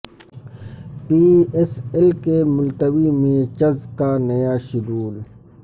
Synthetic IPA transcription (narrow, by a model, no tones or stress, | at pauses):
piːeselkemʊlt̪əwimiːɾt͡ʃɐzkaːnɐjaːʃʊɡuːl